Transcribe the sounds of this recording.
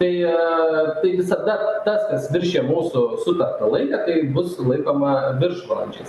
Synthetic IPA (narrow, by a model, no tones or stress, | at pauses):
t̪ɐɪ | t̪ɐɪʋʲɪsɐd̪ɐt̪ɐskɐsʋʲɪɾʲʃʲeːmuːsʊsʊt̪ɐrt̪ɐlˠɐɪkɐt̪ɐɪbʊslˠɐɪkoːmɐʋʲɪɾʃʋɐlˠɐnʲd͡ʒʲɛs